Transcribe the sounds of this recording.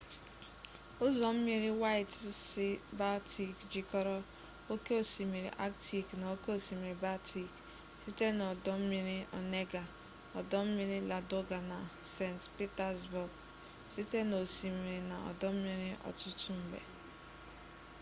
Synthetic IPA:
o˦zɔ˨m̩˦mi˦ɾi˦wa˦ɪ˦tsɪ˦ba˦ti˨kd͡ʒi˦kɔ˦ɾɔ˦ | o˦ke˦o˨si˨mi˨ɾḭ˨ʔa˦kti˨kna˨o˦ke˦o˨si˨mi˨ɾi˨ba˦tʰi˨k | si˦te˦nɔ˨dɔ˦m̩˦mi˦ɾi˦ɔ̰˨ne˦ɡa˨ | ɔ˨dɔ˦m̩˦mi˦ɾi˦la˨do˦ɡa˨na˨se˦˨ntpi˦ta˦zbʊ˨ɡ | si˦te˦no˨si˨mi˨ɾi˨na˨ɔ̰˨dɔ˦m̩˦mi˦ɾi˦ʔɔ̰˨tʊ˦tu˦m̩˦bḛ˨

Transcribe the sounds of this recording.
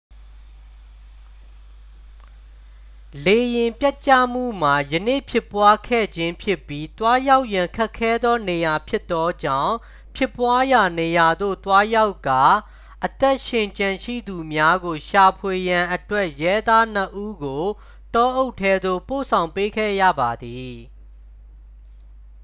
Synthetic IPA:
le˨jɪ̃˨mpja˦ʔt͡ɕä̰˦˨m̥ṵ˦˨m̥a˨jənḛ˦˨pʰɪ˦˨pːwa˦kʰɛ̰˦˨d͡ʑɪ̃˦mpʰjɪ˦˨pːji˦t̪wa˦ja˦ʊʔjã˨ŋkʰɛ˦kʰːɛ˦d̪ɔ˦ne˨ja˨pʰjɪ˦t̪ːɔ˦d͡ʑã̰˦˨ʊ̃ | pʰjɪ˦˨pːwa˦ja˨ne˨ja˨d̪o̰˦˨t̪wa˦ja˦ʊkːa˨ | ʔət̪ɛ˦ʔʃɪ̃˨ɲt͡ɕã˨ʃḭ˦˨d̪u˨mja˦ɡo˨ʃa˨pʰwe˨jã˨ʔətwɛ˦ʔjɛ˦d̪a˦n̥əʔu˦ɡo˨ | tɔ˦ʔo˦ʊtʰːɛ˦d̪o̰˦˨po̰˦˨sʰã˨ʊ̃mpe˦kʰɛ̰˦˨jä̰˦˨ba˨d̪i˨

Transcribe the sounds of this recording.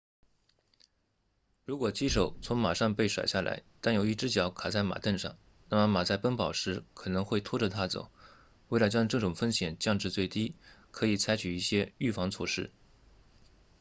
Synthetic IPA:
ɻu˧˥kwɔ˨˩t͡ɕi˥ʂo˨˩ʊt͡sʰʊ˧˥ŋma˨˩ʂɑ˥˧ŋpe˥˩ɪʂwa̰˨˩ɪɕja˥˩lʔa̰˧˥ɪt̪a˥˩njo˨˩ʊi˥˩ʈ͡ʂɻ̩˥t͡ɕjɑ˧˥ʊkʰa˨˩t͡sa˥˩ɪma̰˨˩t̪ə˥˧nʂɑ̰˥˩ŋ | na˥˩mə˨˩ma˨˩t͡sa˥˩ɪpə˥npɑ˨˩ʊʂɻ̩˧˥kʰɤ˨˩nɤ˧˥ŋxwe˥˩ɪt̪ʰwɔ˥ʈ͡ʂə˨˧t̪ʰa˥t͡so̰˨˩ʊ | wɪla˧˥t͡ɕjɑ˥ŋʈ͡ʂɤ˥˩ʈ͡ʂʊ˨˩ŋfə˥nɕjɛ˨˩nt͡ɕjɑ˥˧ŋʈ͡ʂɻ̩˥˧t͡swe˥˩ɪt̪i˥kʰɤ˧˥i˨˩t͡sʰa˧˥ɪt͡ɕʰy˨˩i˥˩ɕjɛ˥y˥˩fɑ˧˥ŋt͡sʰwɔ˥˧ʂɻ̩˥˩

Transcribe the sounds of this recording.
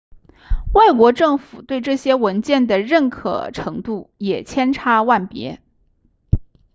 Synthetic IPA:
wa˥˩ɪkwɔ˧˥ʈ͡ʂɤ˥˩ŋfu˨˩t̪we˥˧ɪʈ͡ʂɤ˥˩ɕjɛ˥wə˧˥nt͡ɕjɛ˥˩nd̪ə˩ɻə˥˩nkʰɤ̰˨˩ʈ͡ʂʰɤ˧˥ŋt̪u˥˩jɛ˨˩t͡ɕʰjɛ˥nʈ͡ʂʰa˧˥wa˥˩npjɛ̰˧˥

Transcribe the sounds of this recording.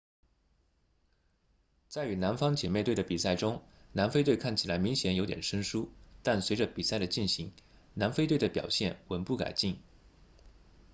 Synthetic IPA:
t͡sa˥˩ɪy˧˥na˧˥nfɑ˥ŋt͡ɕjɛ˨˩me˥˧ɪwe˥˩d̪ə˩pi˨˩sa˥˩ɪʈ͡ʂʊ˥ŋ | na˧˥nfe˥ɪt̪wkʰa˥˩nt͡ɕʰi˨˩la˧˥ɪmi˧˥ŋɕjɛ˧˥njo˧˥t̪jɛ̰˨˩nʂə˥ŋʂu˥t̪a˥˩nswe˧˥ɪʈ͡ʂə˧pi˨˩sa˥˩ɪd̪ə˩t͡ɕi˥˩nɕi˧˥ŋ | na˧˥nfe˥ɪt̪we˥˩ɪd̪ə˩pjɑ̰˨˩ʊɕjɛ˥˩nwə˧˥npu˥˩ka̰˨˩ɪt͡ɕi˥˩ŋ

